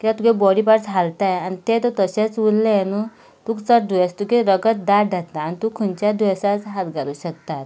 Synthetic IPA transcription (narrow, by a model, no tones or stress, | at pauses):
kit̪at̪ukebɔɽiːpaɾt͡sɦalt̪ajanit̪et̪ot̪əɕet͡sʋulːenu | t̪uːkt͡səʈ̚d̪ʱujest̪ukeɾəɡət̪̚d̪aɖʱat̪ːaːnit̪ukʰːunt͡ɕad̪ʱuesat͡sɦat̪ɡʱaɾuːɕək̚t̪at̪